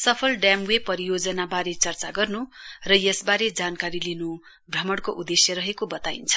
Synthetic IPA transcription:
sʌpʰʌlɖjamwepʌɾijod͡zʌnabaɾet͡sʌrt͡saɡʌrnurʌjʌsbaɾed͡zankaɾilinu | brʌmʌɽkoʔud̪esjʌɾʌɦekobʌt̪aint͡sʰʌ̥

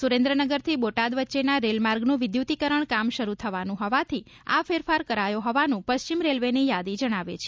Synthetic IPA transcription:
suɾẽnd̪ɾənəɡəɾt̪ʰiboʈad̪ʋətːʃenaɾelmaɾɡnũʋɪd̪jut̪ikəɾəɳkamʃəɾut̪ʰəʋanũɦɔʋat̪ʰi | a̰feɾfaɾkəɾajoɦɔʋanũpəʃt͡ʃimɾelʋenijad̪id͡ʒəɽ̃aʋḛt͡ʃʰe̥

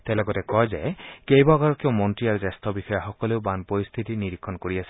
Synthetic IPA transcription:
t̪ɛlɔɡɔtɛkɔjzajkejbɔɡaɹɔkewmɔntɹiaɹuzast̪ʰɔbixɔjaxɔkɔleʊbanpɔɹist̪ʰitiniɾikʰːɔnkoɹiasi̥

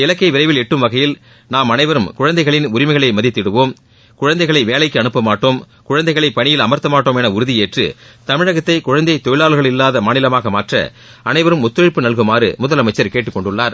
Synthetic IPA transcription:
ɪlɐkːɐɪʋɪɾɐɪʋɪlɛʈːɯmʋɐɣɐjɪl | naːmɐnɐɪʋɐɾɯmkʊɻɐnd̪ɐɪɣɐɭɪnʊɾɪmɐɪɣɐɭɐɪmɐðɪt̪ːɪɽɯʋoːm | kʊɻɐnd̪ɐɪɣɐɭɐɪʋeːlɐɪkːɯɐnɯpːɐmaːʈːoːm | kʊɻɐnd̪ɐɪɣɐɭɐɪpːɐɳɪjɪlɐmɐɾt̪ːɐmaːʈːoːmɛnɐʊɾɯðɪjeːʈrɯ̰t̪ɐmɪɻɐɣɐt̪ːɐɪkʊɻɐnd̪ɐɪt̪ɔjɪɭaːɭɣɐɭɪlːaːðɐmaːnɪlɐmaːɣɐmaːʈrɐ̰ | ʔɐnɐɪʋɐɾɯmʊt̪ːɯɾɪɭpːɯnɐɭɣɯmaːɾɯ̰mʊðɐlɐmɐɪt͡ʃːɐɾkeːʈːɯkːɔɳɖɯɭːaːɾ

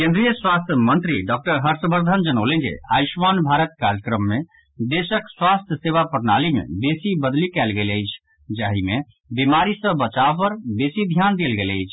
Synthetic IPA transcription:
kẽnd̪ɾijəswast̪ʰjəmənt̪ɾiɖɔk̚ʈəɾɦəɾsbəɾd̪ʱənd͡ʒənəʊlẽnd͡ʒḛaiʃʋanbʱaɾət̪̚kaɾjəkɾəmːe | d̪esəkswast̪ʰjəseʋapəɾnalimḛbesibəd̪likɛlɡeləjt͡ʃʰ | d͡ʒaɦime | bimaɾisə̃bət͡ʃaʋpəɾbesid̪ʱjand̪elɡeləjt͡ʃʰ

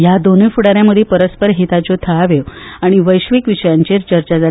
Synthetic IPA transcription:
jad̪onujfuɽaɾjaməd̪ʱːjepəɾəspəɾɦet̪at͡ɕot̪ʰəaʋeʋaɽ̃iʋəjɕʋikʋiɕəjaɲt͡ɕeɾt͡ɕəɾt͡ɕad͡zʱa

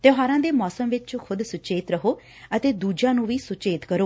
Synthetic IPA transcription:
t̪eːɦaːɾãːd̪eːmɔːsəmʋɪt͡ʃkʰʊd̪sʊt͡ʃeːt̪ɾəɦoː | ət̪eːd̪uːd͡ʒãːnũːʋiːsʊt͡ʃeːt̪kəɾoː

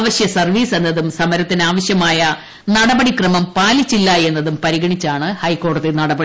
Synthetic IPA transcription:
ʋɐɕjɐsɐrʋiːse̞nːɐðumsɐmɐɾɐt̪ːinaːʋɐɕjɐmaːjɐ | nɐɽɐbɐɽikrɐmɐmpaːlit͡ɕːilːɐe̞nːɐðumpɐɾiɣɐɳit͡ɕːaːɳɨhɐjkːo̞ːɽɐðinɐɽɐbɐɽi

